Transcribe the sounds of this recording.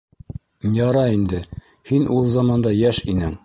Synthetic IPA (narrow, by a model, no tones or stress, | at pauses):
jɑɾɑind̪ɘ | hinʔulˠzɑmɑnd̪ɑjæʃinɘŋ